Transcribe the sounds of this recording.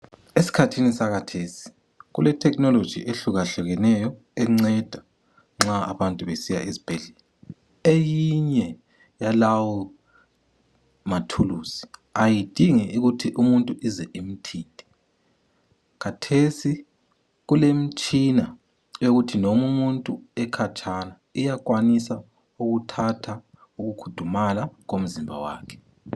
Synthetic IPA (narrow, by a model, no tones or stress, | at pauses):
esi̥kʰatʰinisaɣatʰesi̥ | ɣṵlɛtʰɛknɔlo̥d͡ʒ̥ʱḭʔeɬuɣaɬɛɣɛnɛjɔ | ɛŋ͡ǀɛd̥ʱa | ŋ͡ǁaa̰βantʼuβesija̰ʔizi̥b̥ʱeɮɛlɛ | ejiɲɛ | jalawɔ | matʰuluːz̥i̥ajid̥ʱiŋɛuɣutʰiʔumuntʼuʔizɛʔim̩tʰiːd̥ʱʼɛ̥ | kʰatʰesi | ɣulem̩t͡ʃʼina | oɣutʰinomumuntʼuɛkʰat͡ʃʼʰana | ijakʼwanisa | uɣutʰatʰa | uɣukʰu̥d̥ʱumalaɣom̩zimbʱa̰wa̰ːkʰɛ̥